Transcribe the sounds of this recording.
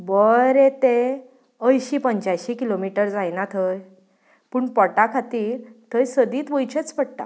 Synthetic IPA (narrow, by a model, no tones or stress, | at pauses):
bəɾet̪e | əjɕiːpəɲt͡ɕajɕikilomiʈəɾd͡zajnat̪ʰəj | puːɳpɔʈakʰat̪iːɾt̪ʰəjsəd̪iːt̪ʋəjt͡ɕʰət͡spəɽ̚ʈ̪a̰